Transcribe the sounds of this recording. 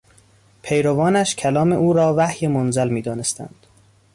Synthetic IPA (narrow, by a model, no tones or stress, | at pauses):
pʰejɾovɒːnæʃcʲʰælɒːmeʔuːɾɒːvæhjemonzælmiːd̪ɒːnest̪ʰæ̰nd̪̥